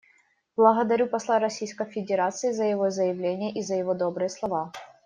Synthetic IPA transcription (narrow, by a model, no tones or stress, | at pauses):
b̥lˠɐɣɐd̪ɐɾʲupɐslˠaɾɐsʲijskəjfʲɪdʲɪɾat̪sɨjɪzəjɪvozəjɪvlʲenʲɪjəʔizəjɪvod̪obɾɨjəslˠɐva